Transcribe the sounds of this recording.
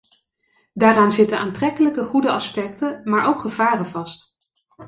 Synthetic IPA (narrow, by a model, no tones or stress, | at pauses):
daːraːnzɪtənʔaːntrɛkələkəχudəɑspɛktənmaːɹʔowkχəv̥aːrənvɑst